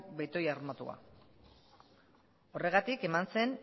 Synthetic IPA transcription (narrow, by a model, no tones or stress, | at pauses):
kbejt̪o̞jarmat̪ṵa̰ | o̞re̞ɣ̞at̪ike̞manse̞n